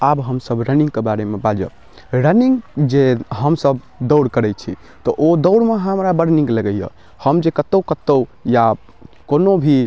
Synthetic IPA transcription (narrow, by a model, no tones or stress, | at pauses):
abɦəmsəbɾənĩŋɡ̚kebaɾemebad͡ʒə̰ | ɾəniŋɡd͡ʒeɦəmsəb | d̪əʊɽkəɾɛt͡ʃʰḭ | t̪ɔʔod̪əʊɽmeɦəmɾabəɾnĩŋɡləɡəjə̰ | həmd͡ʒekət̪ːəkət̪ːəwja | konobʱi